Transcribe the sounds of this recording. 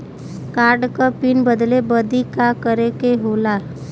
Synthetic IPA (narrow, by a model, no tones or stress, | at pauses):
kaɾɖkəpinbəd̪lebəd̪ʱikakəɾekeɦola